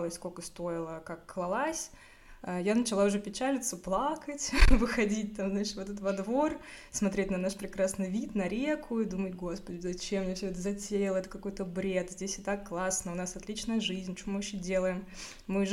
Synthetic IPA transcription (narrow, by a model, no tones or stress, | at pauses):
lˠəsʲskolʲkəst̪o̞ɪlˠəkakːlˠɐlˠasʲ | əjanət͡ɕɪlˠaʊʐɛpʲɪt͡ɕælʲɪt̪səplˠakətʲvɨxɐdʲit̚ʲt̪amznat͡ɕɪt̪vot̪ət̪vɐd̪vo̞r | smɐt̪ɾʲet̚ʲnɐnaʂpɾʲɪkɾasnɨjvʲit̪nɐɾʲekʰʊɪd̪umətʲɡo̞spədʲɪzɐt͡ɕemːnʲefsʲøɛt̪əzɐtʲeɪlˠəɛt̪ə̥kɐko̞jt̪əbɾʲe̞t̪zʲdʲesʲɪt̪akːlˠasnəʊnasɐt̪lʲit͡ɕnəjəʐɨzʲnʲt͡ɕɪvomɨvɐɕedʲe̞lˠəjɪm | mɨ